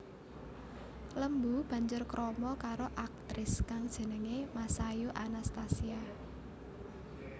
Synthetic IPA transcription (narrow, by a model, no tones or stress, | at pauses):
ləmbub̥ä̤ɲd͡ʒʊrkɾɔmɔkaɾoʔak̚t̪ɾɪskaŋd̥ʒ̥ə̤nəŋemasajuʔanast̪asia